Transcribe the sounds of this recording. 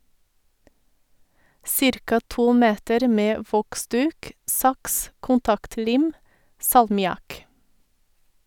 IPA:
ˈsɪɾkɑ ˈtuː ˈmeːtəɾ ˈmeː ˈʋɔkˌsdʉːk ˈsɑks kʊnˈtɑktˌliːm sɑlmɪˈɑk

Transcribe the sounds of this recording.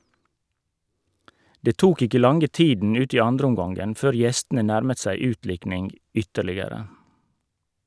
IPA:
ˈdeː ˈtuːk ˈɪkə ˈlɑŋə ˈtiːdn̩ ˈʉːt ˈiː ˈɑndɾəˌʊmɡɑŋɡən ˈføːɾ ˈjɛstn̩ə ˈnæɾmət ˈsæɪ ˈʉːtˌlɪknɪŋɡ ˈʏtəɭɪəɾə

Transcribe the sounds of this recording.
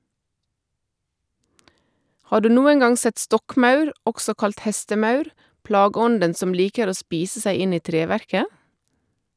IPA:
ˈhɑː ˈɖʉː ˈnuːən ˈɡɑŋ ˈsɛt ˈstɔkˌmɑʉɾ ˈɔɡsɔ ˈkɑlt ˈhɛstəˌmɑʉɾ ˈplɑːɡəˌɔndən ˈsɔm ˈliːkəɾ ˈoː ˈspiːsə ˈsæɪ ˈɪn ˈiː ˈtɾeːˌʋæɾkə

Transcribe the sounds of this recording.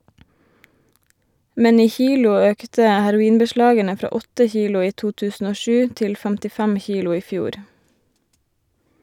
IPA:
ˈmɛn ˈiː ˈçiːlʊ ˈøːktə hæɾʊˈiːnbəˌʃlɑːɡənə ˈfɾɑː ˈɔtə ˈçiːlʊ ˈiː ˈtuː ˈtʉːsn̩ ˈoː ˈʃʉː ˈtɪl fæmtɪˈfæm ˈçiːlʊ ˈiː ˈfjuːɾ

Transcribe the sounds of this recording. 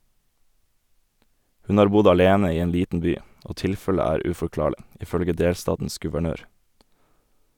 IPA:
ˈhʉn ˈɑːɾ ˈbʊd ɑˈleːnə ˈiː ˈeːn ˈliːtn̩ ˈbyː ˈoː ˈtɪlfələ ˈæːɾ ʉfɔˈklɑːɭɪ ɪˈfœlɡə ˈdeːlˌstɑːtn̩s ɡʉʋəˈɳøːɾ

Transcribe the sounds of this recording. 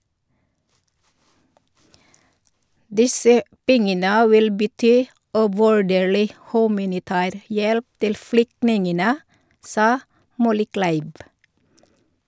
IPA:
ˈdɪsə ˈpɛŋənə ˈʋɪl bəˈtyː ʉʋʉˈɖeːɭɪ ˈhʉːmɑnɪˌtæːɾ ˈjɛlp ˈtɪl ˈflʏktnɪŋənə ˈsɑː ˈmɔləˌklæɪʋ

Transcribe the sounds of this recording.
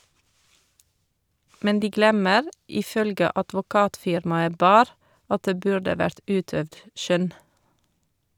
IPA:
ˈmɛn ˈdiː ˈɡlɛməɾ ˌɪˈfœlɡə ɑdʋʊˈkɑːtˌfɪɾmɑə ˈbɑːɾ ˈɑt ˈdeː ˈbʉɹɖə ˈʋæɹt ˈʔʉːˌtœʋd ˈʃœn

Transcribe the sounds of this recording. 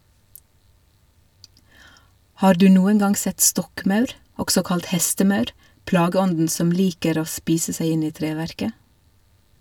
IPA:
ˈhɑːɾ ˈdʉː ˈnuːən ˈɡɑnɡ ˈsɛt ˈstɔkˌmɑʉɾ ˈɔɡsɔ ˈkɑlt ˈhɛstəˌmɑʉɾ ˈplɑːɡəˌɔndn̩ ˈsɔm ˈliːkəɾ ˈoː ˈspiːsə ˈsæɪ ˈɪn ˈiː ˈtɾeːʋæɾkə

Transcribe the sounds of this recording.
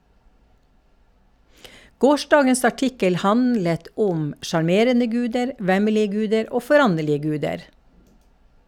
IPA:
ˈɡoːˌʃdɑːɡəs ɑˈʈɪkəl ˈhɑnlət ˈʔʊm ʃɑɾˈmeːɾənə ˈɡʉːdəɾ ˈʋæməlɪə ˈɡʉːdəɾ ˈoː fɔˈɾɑnɛlɪə ˈɡʉːdəɾ

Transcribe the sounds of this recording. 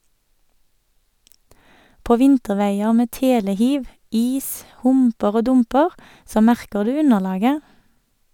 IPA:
ˈpoː ˈʋɪntəˌʋeɪəʁ ˈmeː ˈteːləˌhiːʋ ˈiːs ˈhʊmpəʁ ˈoː ˈdʊmpəʁ ˈsoː ˈmæʁkə ˈdʉː ˈʉnəˌlɑːɡə

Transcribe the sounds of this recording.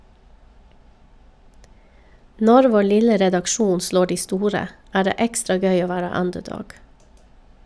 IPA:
ˈnɔɾ ˈʋoː ˈlɪlə ɾɛdɑkˈʃuːn ˈsloː ˈdiː ˈstuːɾə ˈæː ˈdeː ˈɛkstɾɑ ˈɡœʏ ˈoː ˈʋæːɾə ˈʌndəˌdɔɡ

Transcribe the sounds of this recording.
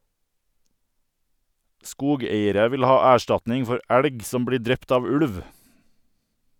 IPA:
ˈskuːˌɡeɪəɾə ˈʋɪl ˈhɑː ˈæːˌʃʈɑtnɪŋ ˈfɔɾ ˈæɽɡ ˈsɔm ˈbɽiː ˈdɾɛpt ˈɑːʋ ˈʉɽʋ

